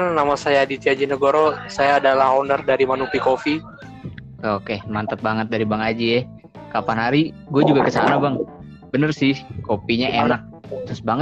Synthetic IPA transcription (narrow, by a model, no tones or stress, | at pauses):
nnamasajadit̪iad͡ʒinəɡoɾosajaːdalahondərdaɾimanupikofi | kokemant̪ət̪̚baŋət̪̚daɾibaŋad͡ʒiɛ | kapanɦaɾi | ɡuad͡ʒuɡakəsa̰nabaŋ | bənərsɪhkopiɲaʔenak̚t̪ɾʊsbaŋə